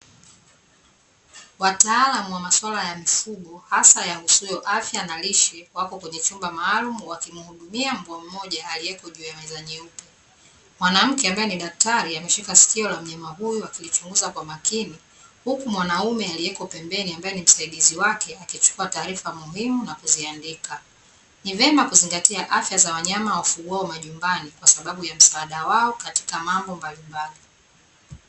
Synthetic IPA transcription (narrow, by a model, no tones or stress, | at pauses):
wataalamuwamaswalajamifuɠɔhasajaŋɡusuuhijɔʔafjanaliʃɛwakɔkwɛɲɛt͡ʃumbamaːlumuwakimuhuɗumiam̩buam̩mɔʄaːlijɛkɔʄuːjamɛzaɲɛupɛ | mwanam̩kɛambajɛniɗak̚taɾiamɛʃikasi̥kiɔlam̩ɲamaɦujuwakilit͡ʃuŋɡuzakwamakini | hukumwanaumɛaliɛkɔpɛmbɛniambajɛnim̩saiɗiziwakɛakit͡ʃu̥kuataːɾifamuɦimunakuziandika | nivɛmakuziŋɡatiaʔafjazawaɲamawafuɠuaɔmaʄumbanikwasaɓaɓujam̩saːɗawaɔkati̥kamambɔmbalimbali